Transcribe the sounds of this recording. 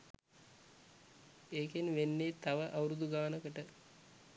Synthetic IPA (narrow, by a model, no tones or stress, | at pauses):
eːkenʋenːet̪aʋəʔawɾud̪uɡaːnəkəʈə